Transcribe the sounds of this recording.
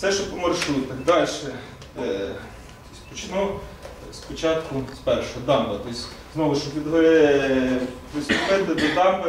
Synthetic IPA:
sɛʃt͡ʃɔpɔmɐrʃɾut̪ɐɡd̪ɑlʲʃɛ | t̪ɔ̥sʲpɔt͡ʃnu | spɔt͡ʃɑt̪kʊspɛrʃɔɦɔd̪ɑmbɐt̪ɔsʲ | znɔʋʊʃɔpʋʲid̪ɦɾɪ | pʋɪst̪ʊpɪt̪ɪd̪ɪd̪ɑmbɐ

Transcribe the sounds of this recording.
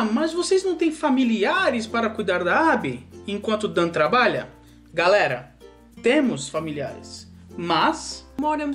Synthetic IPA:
mɐzvoseznɐ̃w̃t̪ẽj̃familiaɾɪspaɾɐkujd̪aɾd̪ɐabɪẽkwɐ̃nt̪ʊd̪ɐ̃t̪ɾabaʎɐ̰ | ɡalɛɾɐ̰ | t̪ẽmʊsfamilia̰ɾɪ̰s | mɐsmɔɾɐ̃m

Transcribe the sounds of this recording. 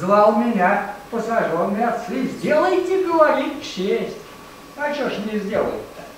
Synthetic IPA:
zlˠalˠmʲɪnʲapəsɐʐonːɨjat̪sɨzʲdʲelˠəjt̪ʲɪɡəvɐɾʲit̪fɕesʲtʲ | ɐt͡ɕoʂnʲɪzʲdʲelˠə̰jt̪ːə

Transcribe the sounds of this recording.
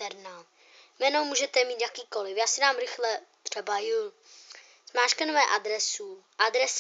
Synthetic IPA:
ɛɾna | mɛnowmuːʒɛt̪ɛmiːt̪jakiːkolɪfjaːsɪnaːmɾɪxlɛt̪r̥ɛbaju | zmaːʃkɛnovɛːʔad̪ɾɛsu | ʔad̪ɾɛs

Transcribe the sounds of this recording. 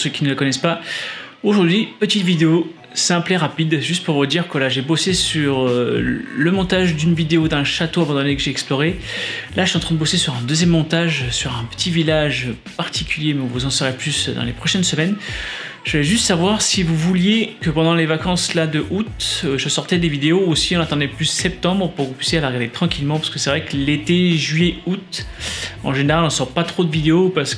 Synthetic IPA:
søkʲinələkɔnɛspa | oʒuʁd̪ɥipət̪it̪vid̪eo | sɛ̃plɛʁapid̪ʒyst̪̚puʁvud̪iʁkəvalaʒebosesyʁøləmɔ̃t̪aʒd̪ynvid̪eod̪ɛ̃ʃat̪oavɑ̃d̪ɑ̃lekəʒeɛksplɔʁelaʃɥiɑ̃t̪χɛ̃d̪əbosesyʁɛ̃d̪øzjɛmːɔ̃t̪aʒsyʁɛ̃pə̥t̪ʰivilaʒø | paʁt̪ʰikʲyljemɛɔ̃vuzɑ̃səʁɛplysd̪ɑ̰̃lepχɔʃɛnsəmɛn | ʒ̥əlɛʒyst̪savwaʁsivuvuljekəpɑ̃d̪ɑ̃levakɑ̃slad̪əʔut̪ʒəsɔʁt̪ɛd̪evid̪eousiɔ̃nat̪ɑ̃d̪ɛplyssɛp̚t̪ɑ̃bʁəpuʁkəvupɥysjealaʁəɡaʁd̪et̪χɑ̃kʲilmɑ̃paʁsə̥kəsɛvʁɛklet̪eʒɥyijɛut̪ | ɑ̰̃ʒeneʁalɑ̃sɔʁpat̪χod̪əvid̪eopaʁs

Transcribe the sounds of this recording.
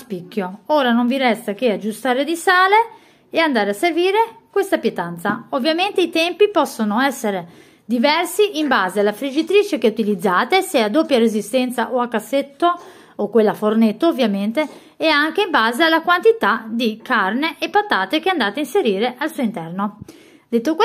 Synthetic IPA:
spikːjooːɾanoɱviɾɛst̪ak̟ead͡ʒːust̪aːɾed̪isaːleː | and̪aːɾeasːerviːɾekwest̪apjet̪ant̪saovːjament̪eit̪ɛmpipɔsːonoɛsːeɾe | d̪ivɛrsiʔimbaːzealafɾid͡ʒit̪ɾiːt͡ʃekɛut̪ilid̪zːaːt̪esead̪opːjaɾezist̪ɛnt̪saʔoakːasːet̪ːo | okːwelːafornet̪ːoːvːjament̪eː | aŋk̟eimbaːzealakwant̪it̪ad̪ikarneʔːpːat̪ːaːt̪ek̟eand̪aːt̪ainseɾiːɾeʔalsuoint̪ɛrno | d̪et̪ːok

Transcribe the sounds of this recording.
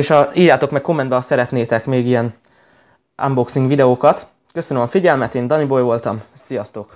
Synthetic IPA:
eːʃɒiːrjaːt̪o̞kmɛk̚ko̞mːɛnd̪bɛɒsɛɾɛt̪neːt̪ɛkmeːɡijɛn | ʔa̰mboksiŋɡʋid̪ɛoːkɒt̪ | kø̞sønømɒfiɟɛlmɛt̪eːnd̪ɒnibo̞jvo̞lt̪ɒmsijɒst̪oːk

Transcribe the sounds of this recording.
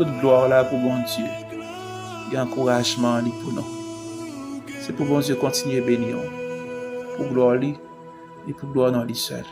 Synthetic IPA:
tot̪̚ɡlwaʁlapubɔ̃d͡zjø | ɡɛ̃ɑ̃kuʁaʒmɑ̃lipunɔ̰̃ | sepubɔ̃djekɔ̃t̪inɥebeniʁ | puɡlwaʁli | epuɡlwaʁnɔ̃lisɛ̰l

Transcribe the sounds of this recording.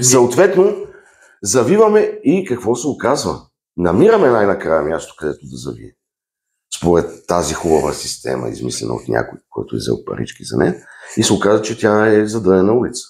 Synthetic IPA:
sɐot̪vɛt̪no | zɐvivɐmɛikɐkvɔsɛokazvə̰ | nɐmiɾəmɛnajnɐkɾajəmjast̪o̥kɐd̪ɛt̪od̪ɐzɐvḭɛ | spoɾɛt̪ːazixubəvə̰sist̪ɛ̰mə̰ḭzmḭslʲɛ̰nə̰o̰t̪nʲa̰kʊjkɔ̰jt̪ʊɛ̰zɛ̰l̚ˠpɐ̰ɾḭt͡ʃkizɐ̰nɛ̰nisɛʊkazvət͡ʃɛt̪ʲjaɛzɐd̪ɤnɛnɐulit̪sə̥

